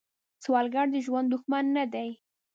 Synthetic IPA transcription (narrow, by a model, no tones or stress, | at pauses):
swɑlɡaɽd̪əʒwand̪ʊxmanːad̪aj